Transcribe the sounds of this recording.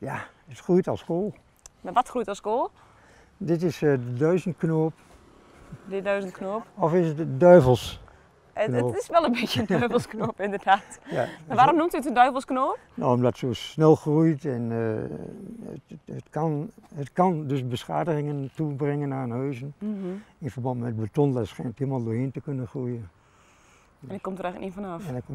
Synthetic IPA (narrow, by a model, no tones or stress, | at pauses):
ja | ətxrujtɔlˠskoːlˠ | maʋɔtxrujtɔlˠskoːlˠ | dɪtɪsdədœɥzəntknoːp | dədœɥzəntknoːpɔfɪsətdœɥvəlˠs | noːɪsʋɛlˠənbɪjəndœɥvəl̩ˠsknoːpɪndədaːtja̰aʋaːomnumtyətəndœɥvlˠsknoːp | noːɔmdɔtsoːsnɛlˠxrujtɛn | ətkanətkandøsbəsxa̰ːdəɣɪŋəntubrɪŋənaənhøːzən | ɪnfərbɑ̃ntmɛt̚bətɔnlasxɛnətiəlˠmalˠdoːɪntəkønənxrujən | ɛndɔt̚kɔmtəɾɛjxləkninfɔnɔfɛn